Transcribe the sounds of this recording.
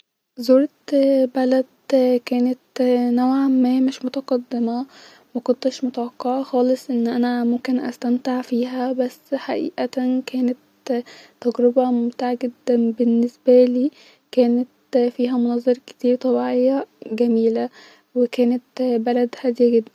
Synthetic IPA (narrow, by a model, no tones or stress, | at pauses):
zoːɾe | bælæd̪kæːnet̪næwʕamæmeʃmot̪ɑqɑd̪ːemæ | mækont̪eʃmot̪æwɑqːɑʕɑxɑːlesˤʔenːʔænæmomkenʔæ̰st̪æmt̪eʕfiːɦæbæsːħaʔḭːʔæt̪ækæːnet̪ː | æɡɾebɑmomt̪aːʕaɡed̪ːænbenːesbæliː | kæːnæt̪fiːɦæmonɑzˤɑɾˤɑke̥t̪iːɾt̪ˤɑbiːʕejːæɡæmiːlæ | wekæːnet̪bælæd̪hæːd̪ejæɡed̪ːæn